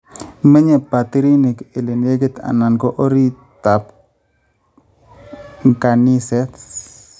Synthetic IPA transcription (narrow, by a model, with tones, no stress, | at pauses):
mə˦ɲe˨pa˨t̪i˦ɾi˦ni˨ke˨le˨nje˦ɡe˦t̪a̰˨na˨nkɔ˦ʔo˦ɾi˦ | t̪a˨p̚ | ŋka˨ni˦sɛ˦t